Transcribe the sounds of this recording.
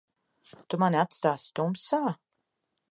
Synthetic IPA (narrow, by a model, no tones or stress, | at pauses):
t̪umaniat̪st̪aːst̪umsaː